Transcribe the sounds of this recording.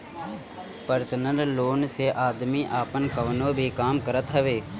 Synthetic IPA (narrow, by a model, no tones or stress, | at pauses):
pəɾsənəlːoːnseʔaːd̪miːʔaːpənkəʋnõːbʱiːkaːmkəɾət̪ɦəʋeː